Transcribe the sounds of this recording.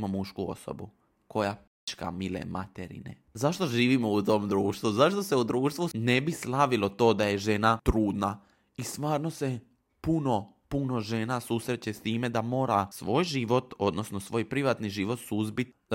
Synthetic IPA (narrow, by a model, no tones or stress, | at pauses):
momuʃkuo̰so̞̰bu | ko̞jap | t͡ʃka̰milḛmʔa̰t̪eɾḭnḛ | zaʃt̪o̞ʒiːʋimo̞ut̪o̞ːmd̪ɾuːʃt̪ʋuzaʃt̪o̞seud̪ɾuːʃt̪ʋune̞bislˠaʋilo̞t̪o̞ːd̪aje̞ʒe̞nat̪ɾuːd̪na | ist̪ʋaːɾno̞se̞ | puno̞ | puno̞ʒe̞nasuːsɾet͡ɕe̞st̪iːme̞d̪amo̞ːɾasʋo̞ːjʒiʋo̞t̪o̞d̪no̞snosʋo̞ːjpɾiʋat̪niʒiʋo̞t̪suzbit̪